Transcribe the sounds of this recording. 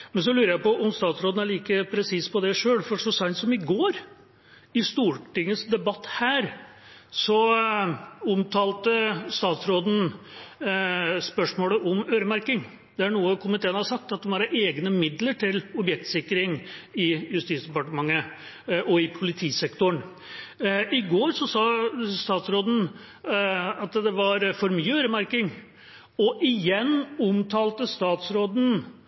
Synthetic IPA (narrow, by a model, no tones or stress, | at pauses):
mɛns̬ɔlʉːɾəjæɪpɔʔɔmst̪ɑːt̪sɾoːd̪n̩æɭiːkəpʰɾɛsiːspʰɔd̪ɛʂøːɭfɔʂɔsɑɪnsɔmɪɡoːɾ | ɪst̪uːʈɪŋːəsd̪ɛbɑt̪ːhæːɾ | sɔ | ʊmt̪ʰɑːlt̪əst̪ɑːt̪sɾoːd̪n̩ | spœʂmoːləʔɔmøːɾəmæɾkɪŋ | d̪̥ɛæɳuːəkʰʊmɪt̪ʰeːənhɑɾʂsɑk̚t̪ɑt̪̚ɛmhɑɾeːɡnəmɪd̪ləʈʰɪlɔbjɛk̚t̪sɪkːɾɪŋɪjʉst̪iːt̪sd̪ɛpɑʈəmɑŋːə | ʔɔɪpʰʊlɪt̪ʰiːsɛkt̪ʊɳ | ʔɪɡoːɾʂɔsɑːst̪ɑːt̪sɾoːd̪n̩ | ɑt̪d̪ɛʋɑɾfɔɾmyːəøːɾəmæɾkɪŋ | ɔʔɪjɛnːʊmt̪ʰɑːlt̪əst̪ɑːt̪sɾoːd̪n̩